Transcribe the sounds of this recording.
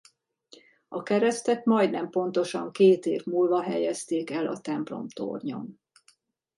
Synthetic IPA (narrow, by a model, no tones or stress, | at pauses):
ɒkɛɾɛst̪ɛt̪mɒjd̪nɛmpo̞nt̪o̞ʃɒ̰ŋkeːt̪eːvmuːlvɒɦɛjɛst̪eːkɛlɒt̪ɛmplo̞̰mt̪o̰rɲo̞̰n